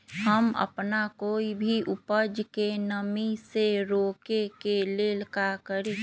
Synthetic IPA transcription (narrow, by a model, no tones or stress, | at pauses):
ɦəmə̰pnakoːibʱiʔʊpəd͡ʒkenəmiseɾoːkekeleləkakəɾi